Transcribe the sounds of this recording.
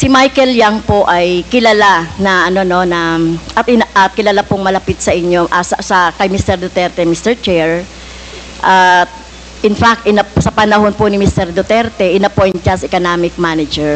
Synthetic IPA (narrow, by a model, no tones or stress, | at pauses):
sɪmajkɛljaŋpoʔɐjkɪlɐlanɐʔɐno̞no̞nɐʔɐt̪ɪnʔɐt̪̚kɪlɐlapʊŋmɐlɐpit̪̚sɐʔɪɲːo̞ʔasɐsɐkɐjmist̪ɛɾd̪ʊt̪ɛɾt̪ɛmist̪ɛɹt͡ʃɛɹ | ʔat̪̚ | ʔɪnfak̚t̪ɪnɐpsɐpɐnɐɦo̞npʊnɪmist̪ɛɾd̪ot̪ɛɾt̪ɛʔɪnɐpojnt̪̚t͡ʃɐsʔɛkonaːmɪk̚manɐd͡ʒɛɹ